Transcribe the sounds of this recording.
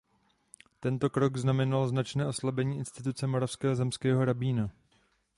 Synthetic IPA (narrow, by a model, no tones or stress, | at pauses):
t̪ɛnt̪o̞kɾo̞ɡznamɛnalznat͡ʃnɛːʔo̞slabɛɲiːɪnst̪ɪt̪̬ut͡sɛmo̞ɾafskɛːɦozɛmskɛːɦo̞ɾabiːna